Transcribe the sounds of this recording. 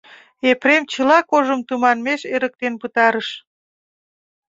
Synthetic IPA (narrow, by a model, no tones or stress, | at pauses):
epɾemt͡ɕəlɑkoʒəmt̪umɑnmeʃeɾək̚t̪enpɨt̪ɑɾəʃ